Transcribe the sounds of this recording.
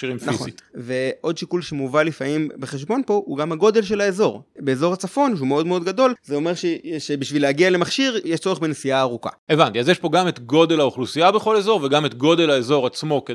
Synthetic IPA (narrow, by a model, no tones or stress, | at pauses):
ʃiʁimfnaizoḭve̞ʔo̞d̪ʃikulʃemuvalifamimbeχe̞ʃ̬bo̞npo̞huɡamaɡo̞d̪e̞lʃe̞laezo̞ʁbe̞ezo̞ʁat͡safo̞numeo̞dmeo̞d̪ɡad̪o̞lzeo̞meʁʃeʃebiʃvilehaɡiale̞maχʃiʁjeʃt͡so̞ʁeχbenesiaːʁuka̰evant̪iazjeʃpo̞ɡamet̪ɡo̞delaoχlusiabeχo̞le̞zo̞ʁveɡamet̪ɡo̞de̞laezo̞ʁat͡smo̞ke